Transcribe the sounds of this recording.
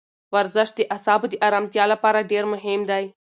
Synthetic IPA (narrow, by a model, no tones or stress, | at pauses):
ʋɐɾzəʃd̪eʔɐsaːbd̪iʔaːɾaːmt̪ijaːlɐpaːɾaɖeːɾmʊɦɪmd̪aj